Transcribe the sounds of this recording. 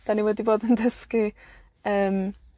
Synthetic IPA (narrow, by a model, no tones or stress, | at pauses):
d̥aniwɛdiboːdəndəski | əːm